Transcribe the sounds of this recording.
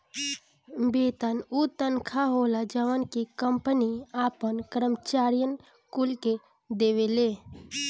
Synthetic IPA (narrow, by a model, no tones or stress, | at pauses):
bet̪ənut̪ənkʰaɦolad͡ʒəʋənkekəmpəniapənkɾəmt͡ʃaɾijən | kulke | d̪eβele